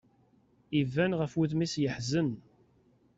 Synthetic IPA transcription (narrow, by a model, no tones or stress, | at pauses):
ivænʁəfwuðmisjəħzən